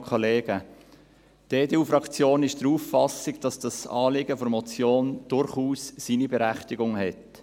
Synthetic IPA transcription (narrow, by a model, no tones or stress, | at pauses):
kʰɔleːɡə | d̥eːdeːuːfɾɑkt͡sjoːnɪʃd̥əɾuːfɑsɪɡd̥ɑsd̥ɑsɑːlɪɡəfɔɾmɔt͡sjoːnd̥ʊɾχuːsːiːnibɛɾæχtɪɡʊŋɦɛt